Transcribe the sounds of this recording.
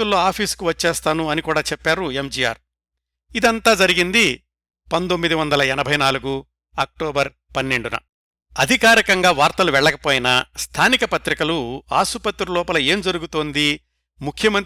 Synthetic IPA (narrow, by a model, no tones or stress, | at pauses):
ulːoːaːpʰiːskuʋɐt͡ʃːeːst̪aːnuɐnikuːɽaːt͡ʃɛpːaːɾuemd͡ʒiːja̰ːɾ | id̪ɐnt̪aːd͡ʒɐɾiɡind̪i | pɐnd̪omːid̪iʋɐnd̪ɐlɐɛnɐbʱɐjnaːluɡu | ɐk̚ʈoːbɐɾ | pɐnːe̞ɳɖunɐ̰ | ɐd̪ʱikaːɾɐkɐŋɡaːʋaːɾt̪ɐluʋɛɭːɐkɐpoːjinɐst̪ʰaːnikɐpɐt̪ɾikɐluaːsupɐt̪ːuɾulɔːpɐlɐe̞ːmd͡ʒɐɾuɡut̪oːnd̪i | mukʰjɐmɐnt̪